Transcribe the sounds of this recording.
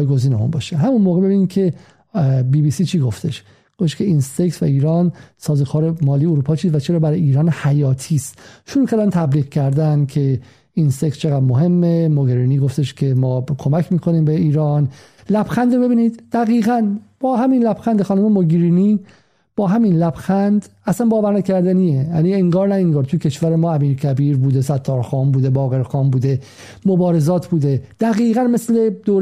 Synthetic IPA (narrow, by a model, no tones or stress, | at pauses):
jɡo̞ziːneṵnbɒ̰ːʃeɦæmunmoːɣe̞be̞biːnid̪kcʰe̞ | biːbiːsiːt͡ʃʰiɡo̞ft̪e̞ʃ | ɡ̥ofeʃkcʰe̞insekt̪væ̰iːɾɒːnsɒːzokʰɒːɾemɒːliːeoɾuːpʰɒːt͡ʃʰiːsvæt͡ʃʰe̞ɾɒːbæɾɒjiːɾɒːnhæjɒːt̪ʰiːst̪ʃoɾuːkʰæɾd̪ænt̪ʰæbliːɣcʰæɾd̪ænkʰe̞ | insekt̪t͡ʃʰeɣæd̪moɦe̞mːemoɡeɾiniːɡo̞ft̪e̞ʃcʰe̞mɒːkʰo̞mæcʰmiːkʰoniːmbeiːɾɒːn | læb̥xænd̪ɾobe̞biːnid̪d̪̥æɣiːɣænb̥ɒːhæminlæb̥xænd̪exɒːnuːmemoɡɾiːni | b̥ɒːɦæminlæb̥xænd̪æsænbɒːvæɾnækʰæɾd̪æniejænieŋɡɒːɾnæeŋɡɒːɾt̪ʰujecʰeʃvæɾemɒːæmiːɾkʰæbiːɾbuːd̪e̞sæt̪ʰːɒːɾxɒːmbuːd̪e̞bɒːɣe̞ɾxɒːmbuːd̪e | mobɒːɾe̞zɒːt̪ʰbuːd̪ed̪̥æɣiːɣænmesle̞d̪oːɾ